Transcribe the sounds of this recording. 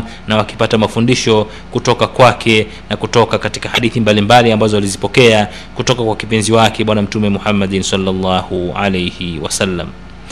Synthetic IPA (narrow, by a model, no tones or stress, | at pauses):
nawaki̥patamafundiʃɔ | kutɔkakwakʰɛ | nakutɔkakati̥kahaɗiθimbalimbaliambazɔalizipɔkɛa | kutɔkakwakipinziwakɛɓwanam̩tumɛmuhamːaɗinsalːalːahuʕa̰lejhiwa̰salːa̰m